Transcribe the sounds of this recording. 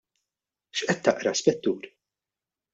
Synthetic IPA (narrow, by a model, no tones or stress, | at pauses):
ʃʔɛt̪ːɐ̰ʔɾɐspɛt̪ːuːɾ